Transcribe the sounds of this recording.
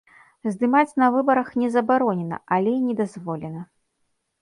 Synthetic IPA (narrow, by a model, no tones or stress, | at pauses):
zd̪ɨmat͡sʲnɐvɨbɐɾɐxnʲɛzɐbaɾɔnʲɛnɐ̰ʔalʲɛnʲɛd̪azvɔlʲɛnɐ